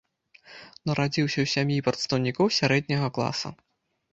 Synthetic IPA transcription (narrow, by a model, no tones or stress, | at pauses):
nɐɾad͡zʲiwsʲɐwsʲamʲjipɾɐt̪st̪ɐwnʲikɔwsʲaɾɛd̪̚ʲnʲɐɣɐklˠa̰sɐ̰